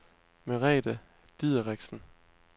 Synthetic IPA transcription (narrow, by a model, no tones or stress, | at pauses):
meʁɛ̰ːd̥ə | d̥iðˠəʁeɡ̥sn̩